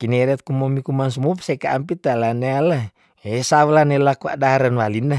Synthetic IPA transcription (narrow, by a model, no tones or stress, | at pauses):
kineɾɛt̪̚kumomikumans̬umufsekaampit̪alaneala | esawlanelakua̰ʔdaɾanwalina